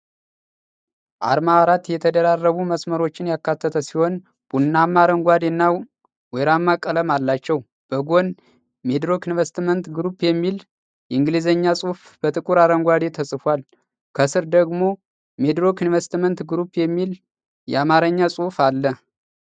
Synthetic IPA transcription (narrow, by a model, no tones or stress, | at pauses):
ʔa̰ɾmaɾat̪jɛt̪ʰəd̪əɾarːəβuməsməɾo̞t͡ʃːɪnjakːat̪ʰːət̪ʰəsiho̞n | b̥unːamaɾəŋɡʷad̪enːa | weɾamːakʼːələmalːat͡ʃːɛw | b̥əɡo̞n | me̞d̪ɾokinvəst̪mənt̪ɡɾupjɛmːil | jɛɨŋɡɨlizəɲːasʼufb̥ət̪ʼɨkʼuɾaɾəŋɡʷad̪et̪ʰəsʼɨfal | kʰəsɨɾd̪əɡmo̞ | me̞d̪ɾokinvəst̪mənt̪ɡɾupjɛmːil | jɛ̰amaɾəɲːasʼuhfalːə